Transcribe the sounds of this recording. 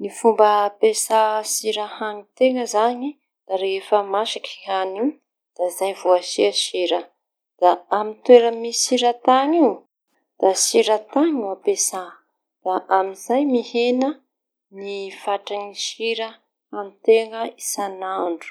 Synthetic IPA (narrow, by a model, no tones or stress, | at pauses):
nifumbəpesasiɾahaŋit̪eŋəzaɲi | d̪̥aɾefəmaʃikiani | d̪̥aizajvuaʃiaʃiɾə | d̪̥aamint̪weɾəmisiɾat̪aŋiw | d̪̥asiɾət̪aŋiwapesa | d̪̥aʔamizajmihenə | nifaʈ͡ʂaŋiʃiɾə | anit̪eŋəisanaɳɖ͡ʐu̥